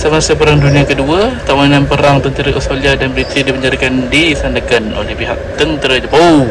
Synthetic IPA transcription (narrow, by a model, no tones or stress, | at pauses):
səmasəpəɾaŋdunĩakəduət̪amanãnpəɾaŋt̪ənt̪əɾəʔustaliadanbəɾit̪ɾidiməɲd͡ʒaɾikandisandəkanʔo̰lɛhpiɦaʔ̚t̪ənt̪əɾəd͡ʒəbaw